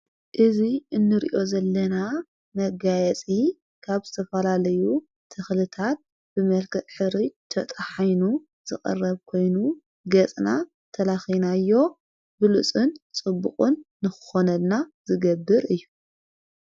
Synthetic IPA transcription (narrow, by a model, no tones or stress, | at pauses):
ʔɨziɨnːɨɾḭʔo̞zɐlːɐna | mɐɡajɛt͡sʼi | kʰaβzɨt̪ʰɐfɐlalɐju | t̪ʰɐxlɨt̪ʰat̪̚ | bɨmɐlkʰɐt̪ʼħɨɾit̪ʰɐ̰t̪ʼħajnu | z̥ɨχʼɐ̰rːɐβkʰo̞jnu | ɡɐt͡sʼna | t̪ʰɐlaxinajːo̞ | bɨlusʼɨnt͡sʼɨbːuχʼunːɨxɨ̥xo̞nɐd̪nazɨɡɐbːɨɾɨjːu